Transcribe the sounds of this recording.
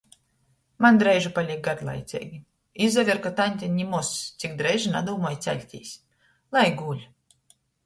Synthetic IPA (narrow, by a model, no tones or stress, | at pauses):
mand̪ɾɛjʒupalʲik̚ɡad̪lˠa̰jt̪sʲɛ̰ːɡʲi | izavʲiɾkat̪anʲt̪ʲɛnʲimɔst̪sʲikd̪ɾɛjʒina̰d̪uːmɔjt̪sʲæ̰lʲt̪ʲḭːsʲ | lˠajɡuːlʲ